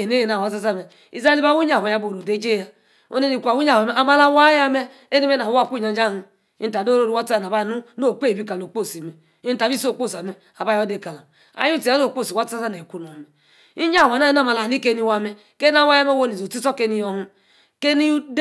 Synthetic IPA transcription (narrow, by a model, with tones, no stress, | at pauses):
e˨ne˦je˨na˨wa˨˦sa˦za˦me˨ | i˦˨za˦li˦ba˦wu˦ɲa˨e˨ja˦bo˨ɾo˨de˨˦d͡ʒe˦ja˨ | o̰˦ne˦ni˨kʷu˨a˨wu˦ɲa˦˨˦e˦a˨ma˦la˦wa˦ja˦me˦ | e˦ni˦me˦na˨˦a˦˨kʷu˦ɲa˨˦d͡ʒa˦hu˨ | i˦n̩˦ta˨do˦ɾo˦ɾu˦wa˦ta˦˨a˨ba˦˨nu˦no˦˨k͡pe˦˨bi˦ka˨lo˨k͡po˦˨si˨me˨ | i˦n̩˦ta˨bi˦so˦˨k͡po˦˨sa˨me˨ | a˨ba˦jɔ˦de˨ka˨la˨ | a̰˦ju˦i˨a˦no˦˨k͡po˦˨si˨wa˦ta˦za˦n˨e˨ku˦nu˨a˨me˨ | i˦ɲ˦a˦˨wa˨na˦i˦na˦˨ma˨la˨ni˦ke˦ni˦wa˦me˨ | ke˦na˦wa˦ja˦me˦wo˦ni˨zo˨ti˦sɔ˦ke˦ni˦jɔ˨hu˦ | ke˦ni˦